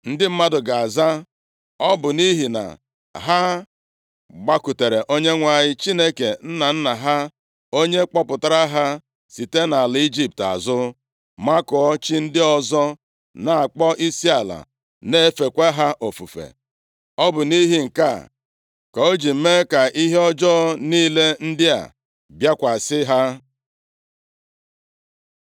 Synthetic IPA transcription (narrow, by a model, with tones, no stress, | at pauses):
n̩˦dɪ˦m̩˦ma˦dʊ˨ɡa˨a˨za˦ | ɔ˦bʊ˨ni˦ɦi˨na̰˨ | ɦa˦ | ɡ͡ba˦ku˨te˨ɾe˨ʔo˦ɲe˦ŋʷa˨ɲɪ˦t͡ʃi˦ne˦ke˨n̩˦na˨n̩˦na˨ɦa˦ | o˦ɲe˦k͡pɔ˦pʊ˨ta˦ɾa˦ɦa˦ | si˨te˦na˨li˦d͡ʒi˦p̚ta̰˨zʊ˦ | ma˦kɔ˨ɔ˦t͡ʃi˦n̩˦dɪ˦ɔ˦zɔ˦ | na˨a˨k͡pɔ˦ʔi˦si˦a˨la̰˨ | ne˦e˦fe˨kʷe˦ɦa˦ʔo˨fṵ˨fḛ˨ | ɔ˦bʊ˨ni˦ɦi˦ŋ̩˨ka̰˦˨ | ka˨o˦d͡ʒi˨m̩˦me˦ka˨ʔi˦ɦe˦ɔ˦d͡ʒɔ˦niː˦le˦n̩˦dɪ˦a̰˨ | bja˦kʷa˨sɪ˦ɦa˦